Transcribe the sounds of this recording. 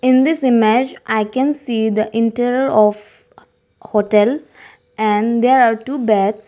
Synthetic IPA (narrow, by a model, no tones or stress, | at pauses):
ɪ̃nd̪ɪsɪmed͡ʒʔaɪkɛ̃nsiːd̪əʔɪ̃ɳʈəɾiəɾɔf | hoʈɛl | ɛ̃ɳd̪eːɾaːɾʈuːbɛts